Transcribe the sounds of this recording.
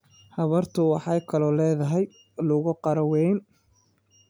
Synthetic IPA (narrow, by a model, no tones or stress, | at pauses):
hɐβɐrt̪ʰʊwɑħɑjkʰɐlɔlɛːðɐɦɛj | lʊɣʊqɑɾɐwɛjn